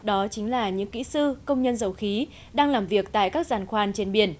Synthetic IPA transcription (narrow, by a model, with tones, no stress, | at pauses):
ɗɔ˨˦t͡ɕï˨˦ŋ̟laː˨˩ɲɨ̰˧˥ŋkḭ˧˥sɨ˧kə˧wŋ͡mɲə˧nzə˨˩wxi˨˦ | ɗaː˧ŋlaː˨˩mvi˨˩ək̚t̪a̰ː˧˨jkaː˦˥k̚zaː˨˩nxwaː˧nt͡ɕe˧nɓi˨˩ən